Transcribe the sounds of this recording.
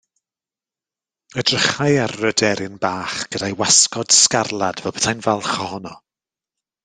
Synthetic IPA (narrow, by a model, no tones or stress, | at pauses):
ədrəχaɨarːədɛɾɪnbaːχɡ̥ədajwaskɔd̥skarlˠad̥vɛlˠbə̥tʰajnvɛlˠχɔhɔnɔ